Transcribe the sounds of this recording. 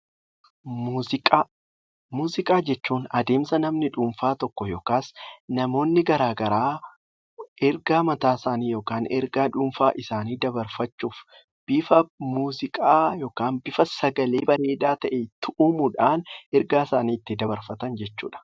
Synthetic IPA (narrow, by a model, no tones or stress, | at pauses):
mːɪkʼa | muːzɪkʼaːd͡ʒɛt͡ʃːuːnɐd̪eːmsɐnɐmnɪᶑuːmfaːt̪ɔkːɔjoːkaːsnɐmo̞ːnːɪɡɐɾaːɡɐɾaː | ʔɛɾɡaːmɐt̪aːsaːniːjo̞ːkaːnɛɾɡaːᶑʊːmfaːʔɪsaːniːd̪ɐbɐɾfɐt͡ʃːuːf | b̥ɪfɐmuːzɪkʼaːjo̞ːkaːnbɪfɐsɐɡɐle̞ːbɐɾe̞ːd̪aːt̪ɐʔet̪ʊʔʊmʊᶑaːnɛɾɡaːsaːniːɪt̪ːɪd̪ɐbɐɾfɐt̪ɐnd͡ʒɛt͡ʃːṵːᶑɐ̥